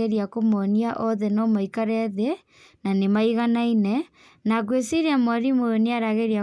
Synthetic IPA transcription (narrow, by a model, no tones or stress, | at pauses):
eɾiakomɔniaʔɔðɛnɔmaikaɾɛðe | nanemaiɣanainɛ | nakwesiɾiamɔɾimooniaɾaɣeɾia